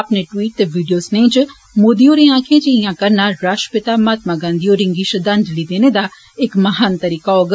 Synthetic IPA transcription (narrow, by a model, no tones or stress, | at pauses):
ɐpneʈwiːʈ̚t̪eʋiːɖijoːsnẽːt͡ʃ | moːd̪ioːɾẽãːkʰẽd͡ʒiijãkɐɾnaɾaːʃə̥pɪt̪amaːt̪maɡãːnd̪ijoɾɪ̃ŋɡiʃəd̪ɐnd̪lid̪eːned̪a | ɪkmɐɦaːnt̪ɐɾiːkaɔɡ